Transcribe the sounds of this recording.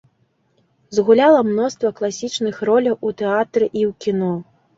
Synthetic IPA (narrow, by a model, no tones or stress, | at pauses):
zɣulʲalˠɐmnɔst̪vɐklˠasʲit͡ʂnɨxrɔlʲɐwʔut̪ɛat̪ɾɨʔiwkʲinɔ